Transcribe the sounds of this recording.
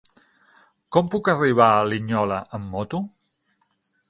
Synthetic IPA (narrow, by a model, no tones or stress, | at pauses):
kɔmpukəriβ̞aəliɲɔləʔəmːɔt̪u